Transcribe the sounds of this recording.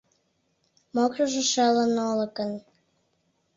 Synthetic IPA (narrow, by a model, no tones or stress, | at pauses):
mokrəʒĕʃelənolə̆kən